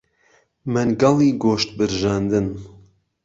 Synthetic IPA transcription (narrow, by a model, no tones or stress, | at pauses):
mɨnɡɑlˠiːɡoːʃt̪̚bɨɾʒɑːnd̪ɨn